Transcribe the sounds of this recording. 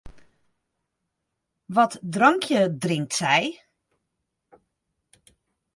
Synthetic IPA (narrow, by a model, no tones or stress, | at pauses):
ʋɔtdrɔŋkʰjədrɪŋk̚tsɛj